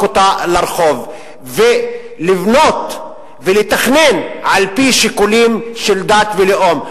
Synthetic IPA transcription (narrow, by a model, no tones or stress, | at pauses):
ot̪alaɾχo̞v | ve | livno̞t̪ | velet̪aχnenʕalpiʃikulimʃeld̪at̪veleʔo̞m